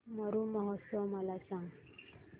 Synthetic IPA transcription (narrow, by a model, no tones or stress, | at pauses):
məɾumɔɦɔt̪ːɔmalasaŋ